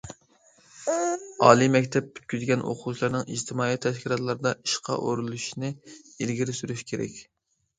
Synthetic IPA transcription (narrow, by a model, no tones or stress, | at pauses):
ɑːlˠimɛkʲt̪ʰɛp̚ːʰy̥t̪̚kʲyzɡʲɛnʔo̰qʰut͡ʃʰilˠɑɾnɨŋḭd͡ʒt̪ʰɪmɑːit̪ʰːɛʃkʲilˠɑt̪lˠɑɾɨd̪ɑiʃqʰɑ̰ʔoɾulˠuʃinɪilɡʲiɾɪsyɾyʃkʲʰeɾɛ̰kʲ